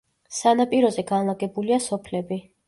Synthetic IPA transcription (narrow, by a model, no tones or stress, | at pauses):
sanapʼiɾɔzɛɡanlˠaɡɛbuliasɔpʰlɛbi